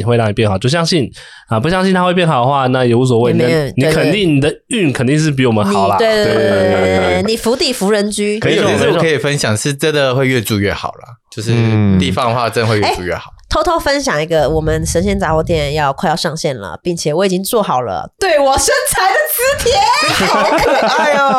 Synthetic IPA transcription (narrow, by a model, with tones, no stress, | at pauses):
i˨˩wɪlɑ˥˩ŋi˨˩pjɛ˥˩nxʊt͡ɕjo˥˩ɕjɑ˥ŋɕi˥˩n | a˥˩pu˧˥ɕjɑ˥ŋɕi˥˧nt̪ʰa˥xwpjɛ˥˩nxɑ˨˩ʊə˦˧xwa˥˩na˥˩jo˧ʊu˥˩s̬ɔ˨˦we˥˧˥ni˨˧˥kʰə˨nt̪i˥˩ŋni˨˩d̪ə˦y˥˩nkʰə˨nt̪i˥˧ŋʂɻ̩˥˩p̬i˧˥wɔ˨˩mə˧˦nxnɑ˨˩˦la˦twe˥˧ɪt̪ni˨˩fu˧˥t̪i˥˩fu˧˥ɻə˧˥nt͡ɕy˥ə˧ni˨jɛ˥kʰə˧˥i˨˩fə˦nɕjɑ˨˩ŋʂɻ̩˥˩ʈ͡ʂə˦nd̪ə˨xwe˥˧ɪɥɛ˥˧ʈ͡ʂu˥˧ɥɛ˥˩xɑ̰˨˩ʊlɐ˩t͡ɕjo˥˧ʊʂ̬ɻ̩˥˧t̪i˥˨˩fɑ˥˦ŋ˧xwa˥˩˧ə˥ndxwe˧e˥˩ɪu˥˧ɥɛ̰˥˩xɑ˨˩˦t̪ʰo˥ʊt̪ʰo˥ʊfə˦nɕjɑ˨˩ŋi˧˥ɡə˧wɔ˨˩mə˦nʂə˧˥nɕjɛ˥˧nt͡sa˨˩wɔ˧˥t̪̬ʰjɛ˥˩˨njɑ˥˧ʊkʰwjʊʂɑ˥˧ŋɕjɛ˥˩nlə̰˩pi˥˩ŋt͡ɕʰjɛ˨˩wɔ˨˧˥i˨˩t͡ɕi˦˥ŋt͡swɔ˥˩xɑ˨˩ʊlə̰˩t̪we˥˩ɪwɔ˨˩ʂə˥nt͡sʰa˧˥ɪd̪ə˨t͡sɹ̩˥t̪ʰjɛ˨˩˧